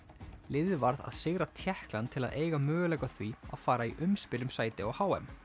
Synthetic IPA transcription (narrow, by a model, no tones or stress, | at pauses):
lɪðvaɾða̰ðsɪɣɾat̪ʰjɛhklant̪ʰɪlaðeːjɣamœːɣʏlɛjkaθvia̰ðfaːɾaiʔʏmspɪlʏmsaːjt̪ɪɔɣhaːwɛm